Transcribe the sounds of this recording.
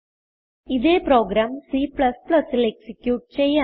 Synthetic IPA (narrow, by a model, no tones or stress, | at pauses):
ɪðeːpɾoːɡɾaːmsiːplɐsplɐsɪlɛksɪkjuːʈ̚t͡ʃeːjɐ